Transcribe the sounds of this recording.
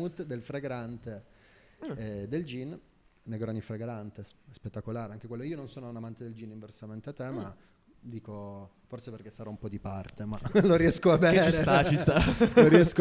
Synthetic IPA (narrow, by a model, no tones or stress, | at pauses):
ut̪d̪elfɾeɡɾant̪e | d̪eld͡ʒin | neɡɾɔnːifɾeɡɾant̪espet̪ːakolaːɾeaŋk̟ekwelːoiːononsoːnonamant̪ed̪eld͡ʒiniɱversament̪eat̪ːema | d̪iːko | forseperk̟esːaɾɔumpɔd̪ipart̪emaloɾijɛskoavɛːt͡ʃɾeat͡ʃist̪aoɾiɛsko